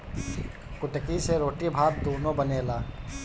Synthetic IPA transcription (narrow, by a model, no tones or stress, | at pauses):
kʊʈəkiseɾoːʈibʱaːɾt̪uːnõbəneːlaː